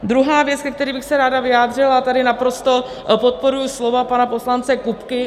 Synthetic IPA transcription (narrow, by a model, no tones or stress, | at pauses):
d̪ɾuɦaːvjɛt͡skɛk̚t̪ɛɾiːbɪxsɛɾaːdavɪjaːd̪r̝ɪlat̪adɪnapɾo̞st̪o̞ | pot̪̚po̞ɾujuslo̞vapanapo̞slant͡sɛkupkɪ